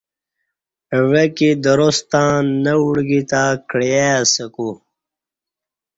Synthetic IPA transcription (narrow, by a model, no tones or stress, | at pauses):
ʋekid̪ɐɾost̪ãːnəuɽɡit̪aːkɽjaːsəku